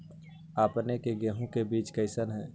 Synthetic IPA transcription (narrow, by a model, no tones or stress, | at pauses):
aːpnekeɡɛːɦõkebiːt͡ʃkəɪsənɦɛ̃ː